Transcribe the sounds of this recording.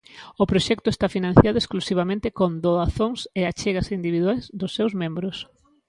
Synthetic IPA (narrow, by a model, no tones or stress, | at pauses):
ʊpɾoʃɛk̚t̪ʊest̪afinãnθjaðʊesklusiβ̞amẽnt̪ɪkond̪oðaθoŋseat͡ʃeɣɐsind̪iβiðwajzd̪ʊsːewzmẽmbɾʊs